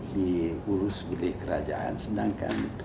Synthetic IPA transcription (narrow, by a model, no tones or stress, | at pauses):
diuɾʊsbəlɪhkəɾad͡ʒaa̰nsədaŋka̰n